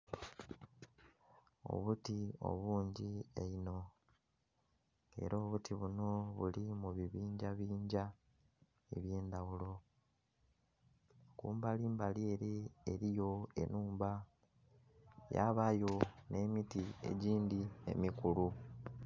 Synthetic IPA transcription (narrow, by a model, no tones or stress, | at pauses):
o̞̰βutio̞̰βuːɲɟieino̞ | ŋe̞̰ɾoːβutʰiβuno̞βulimuβiβiːɲɟaβiːɲɟa | eβje̞ːnd̪awulo̞ | kuːmbaliːmbalie̞ɾieɾijo̞e̞̰nuːmba | ja̰βajo̞ne̞ːmitiḛɟiːndie̞̰mikulu